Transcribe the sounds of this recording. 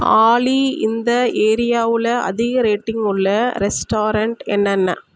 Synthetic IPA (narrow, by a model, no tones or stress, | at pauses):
aːɭiɪnd̪ɐeːɾɪjaːʋɪlɐɐ̰ðɪɣɐɾeːʈːɪŋɡɯɭːɐɾɛsʈoːɾɐɳʈɛnːɐnːɐ̰